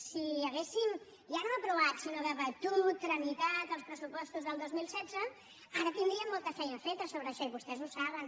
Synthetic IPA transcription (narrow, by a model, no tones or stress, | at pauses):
siəɣesim | ʒanoəpɾuβ̞at̪sinoðəβət̪ut̪ːɾənit̪at̪əlˠspɾəsupɔst̪uzðəlˠd̪ozmilˠsɛdd͡zə | aɾət̪ind̪ɾiəmːolˠt̪əfɛjnəfet̪əsoβɾəːʃɔiβust̪ɛzusaβ̞ən